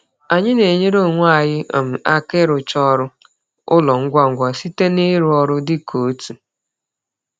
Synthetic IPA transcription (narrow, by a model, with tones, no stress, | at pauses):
a˨ɲɪ˦ne˨ɲe˦ɾo˦˨ŋʷa˦˨jɪ˦˨m̩˨a˦kɪ˦ɾʊ˨t͡ʃɔ˦ɾʊ˦ | ʊ˦lɔ˨ŋ̩˦ɡʷa˦ŋ̩˨ɡʷa˨si˦te˦ni˦ɾu˨˦ɔ˦ɾʊ˦dɪ˦kʰo˨˦tu˨